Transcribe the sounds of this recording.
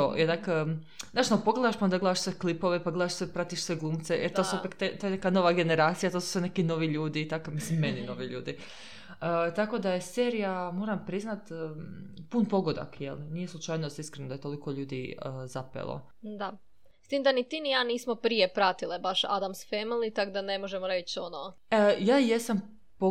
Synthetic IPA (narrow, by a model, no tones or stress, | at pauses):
t̪ojenak | naːʃnapo̞ɡled̪aʃpand̪aɡled̪aʃsʋeklipoʋepaɡled̪aʃsʋepɾat̪iʃsʋe̞ɡlˠuːmt̪sejʔeɾt̪osuupekt̪et̪ojenekano̞ʋaɡe̞neɾaːt̪sijat̪o̞ːsu̥sʋenekinoʋiʎuːd̪iːt̪akomislimːenino̞ʋiʎṵːd̪i | ət̪ako̞d̪ajeseːɾijamo̞ːɾampɾiznat̪ː | punpo̞ɡo̞d̪a̰kjḛlnije̞slˠut͡ʃaːjnost̪iskɾenud̪aet̪o̞likoʎuːd̪iəzapḛlˠo̰ | d̪a | st̪iːmd̪anit̪inijaːniːsmopɾijepɾat̪ilebaʃa̰d̪amsfemilˠit̪akd̪anemoʒemoɾet͡ʃono | jaːje̞sam | po